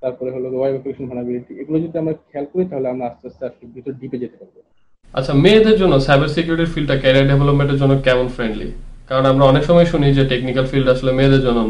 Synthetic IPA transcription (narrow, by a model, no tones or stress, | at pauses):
t̪aɾpɔɾeɦoloɾobajbɛpokeʃonbʱanabiliʈieɡulod͡ʑod̪ːeamaɾkʰɛlkoit̪aɦoleamɾaast͡ɕasaʃkeb̪ɾit̪oɖiped͡ʑet̪epaɾbo | a̰tːɕʰamed̪eɾd͡ʑonːosajbaɾsekjuɾiʈiɾfilɖ̚ʈakɛɾiaɖevʱelopmẽɳʈeɾd͡ʑonːokɛmonfɾeɳɖlḭkaɾonamɾaɔnekʃɔmɔeʃunid͡ʑeʈeknikalfilɖaʃlomeːd̪eɾd͡ʑonːo